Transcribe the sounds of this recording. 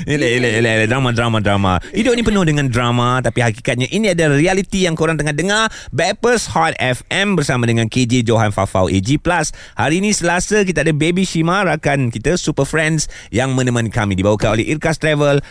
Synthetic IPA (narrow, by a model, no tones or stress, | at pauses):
ilaelaelaladɾamãdɾamãdɾamã̰idoinĩpənohdəŋãndɾamãt̪apihakikat̪̚ɲãʔiniadarialit̪ijaŋkoɾaŋt̪əŋahdəŋa | bɛpəshat̪̚ɛfɛmbərsamãdəŋãnked͡ʒed͡ʒoɦanfa̰fa̰wʔḛd͡ʒiplas | haɾiːnĩsəlasək̬it̪aadabebiʃimãɾakankit̪əsupəfɾɛnsjaŋmə̃nəmãnkamĩdibawakano̰lɛ̰hʔirkast̪ɾɛvəl